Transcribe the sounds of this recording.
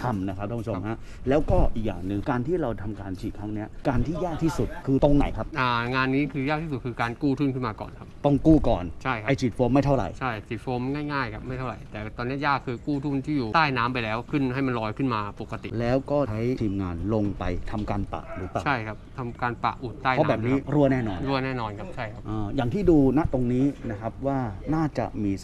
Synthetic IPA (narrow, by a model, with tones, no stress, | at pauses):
t̪ʰa˧mna˦kʰa˦˥p̚ɾʰa˧pu˦˥t͡ɕʰmha˦˥ | lɛː˦˥wkɔː˥˩ʔiː˨˩k̚ja̰ː˨˩ŋnɯ˨˩ŋkaː˧nt̪ʰiː˥˩ɾa˧wt̪ʰa˧mkaː˧nt͡ɕʰiː˨˩t̪̚ʰa˦˥ŋni˦˥ɐkaː˧nt̪ʰiː˥˩jaː˥˩k̚t̪ʰiː˥˩su˨˩t̪̚kʰɯː˧t̪o˧ŋna̰˨˩˦jkʰa˦˥p̚ʔaː˧˩ŋaː˧nːiː˦˥kʰɯː˧jaː˥˩k̪̚ʰiː˥˩su˨˩kʰɯː˧kaː˧nkuː˥˩t̪ʰu˥˩nkʰɯ˥˩nmaː˧kɔ̰ː˨˩nkʰa˦˥pt̪ɔ˥˩ŋkuː˥˩kɔː˨˩nt͡ɕʰa˥˩jkʰa˦a˧jt͡ɕʰiː˨˩t̪̚foː˧˥ma˥˩jt̪ʰa˥˩wɾa̰˨˩jt͡ɕʰa˥˩jt͡ɕʰiː˨˩t̪̚foː˨˦˥mŋaː˥˩jŋaː˥˩jkʰa˦˥p̚ma˥˩jt̪ʰa˥˩ɾa̰˨˩jt̪ɛː˨˩t̪ɔː˧nːi˦˥ɐjaː˥˩kʰːɯː˧kuː˥˩t̪ʰu˥˩nt̪ʰiː˥˩juː˨˩t̪aː˥˩jnaː˦˥mpa˧jlɛː˦˥wkʰɯ˥˩nɦa˥˩jma˧nlɔː˧jkʰɯ˥˩nmaː˧po˨˩kːa˧t̪ḭ˨˩lɛː˦˥wkɔː˥˩t͡ɕʰa˦˥jt̪ʰiː˧mŋa̰ː˧nlo˧ŋpa˧jt̪ʰa˧mkaː˧npa̰˨˩ʔɾɯː˩˦paː˨˩a˥˩jkʰa˦˥p̚t̪ʰa˧mkaː˧npa̰˨˩ʔu˨˩t̪̚t̪ːaː˥˩jpʰːbɛː˨˩p̚niː˦˥ɾu˥˩ənɛː˥˩nɔː˧nɾu˥˩ənɛː˥˩nɔː˧nkʰa˦˥p̚t͡ɕʰa˥˩jkʰa˦˥ʔəː˧jaː˨˩ŋt̪ʰiː˥˩duː˧na˦˥t̪o˧ŋniː˦˥na˦˥kʰa˦˥p̚waː˥˩naː˥˩t͡ɕa̰˨˩ʔmiː˧s